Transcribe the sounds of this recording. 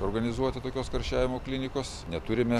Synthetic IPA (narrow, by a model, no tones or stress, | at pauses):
oːɾɡɐnʲɪzuɔt̪ʲɪt̪oːkʲoːskɐɾʲʃʲæːʋʲɪmoːklʲɪnʲɪkoːsnʲɛt̪ʊɾʲɪmʲɛ